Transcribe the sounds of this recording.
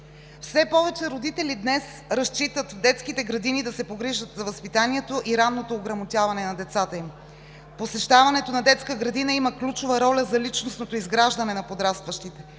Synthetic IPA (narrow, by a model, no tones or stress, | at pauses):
fsɛpɔvɛt͡ʃɛɾod̪it̪ɛlid̪nɛs | ɾɐst͡ʃit̪ət̪vd̪ɛt̪skit̪ɛɡɾɐd̪inid̪ɐsɛpoɡɾiʒət̪zɐvɐspit̪aniɛt̪oʔiɾanːot̪oːɡɾɐmot̪ʲjavɐnɛnɐd̪ɛt̪sat̪əim | posɛʃt̪avɐnɛt̪onɐd̪ɛt̪skəɡɾɐd̪inəiməklʲut͡ʃovəɾɔlʲəzɐlit͡ʃnosnot̪oizɡɾaʒd̪ɐnɛnɐpod̪ɾast̪vəʃt̪it̪ɛ